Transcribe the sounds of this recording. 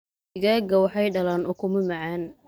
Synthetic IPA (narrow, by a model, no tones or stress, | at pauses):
ɪɣaːɡɐwɑħɑjɖɐlaːnʔʊkʰʊmɐmɐʕaːn